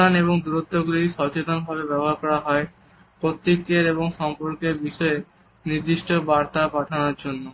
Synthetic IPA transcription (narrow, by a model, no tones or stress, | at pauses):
aneβoŋd̪uɾot̪ʰːoɡuliʃɔt͡ɕet̪onbʱabebɛboɦaɾkɔɾaɦɔe | pɾot̪ːikːeɾeboŋʃɔmpoɾkeɾbiʃɔe | niɾd̪iʃʈobaɾt̪apaʈʰanoɾd͡ʑonːo